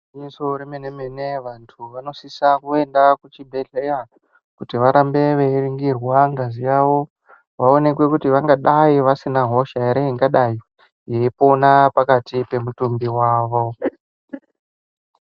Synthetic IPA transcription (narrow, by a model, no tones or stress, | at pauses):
insoɾemenemeneʋantʰuʋano̞sisakue̞ndakut͡ʃibʱeɮeja | kutiʋaɾambe̞ʋeiriŋɡirwaŋɡazijaʋo̞ | ʋao̞ne̞kwe̞kutiʋaŋɡaɗaiʋasinaɦo̞ʃaeɾeiŋɡaɗajo | jeipo̞napakatipe̞mutumbiwaːʋo̞